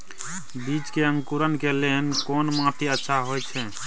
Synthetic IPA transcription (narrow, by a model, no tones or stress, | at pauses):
bit͡ʃkeə̃ŋkuɾənkeleɦnkonmãʈiətːʃʰaɦojt͡ʃʰɛ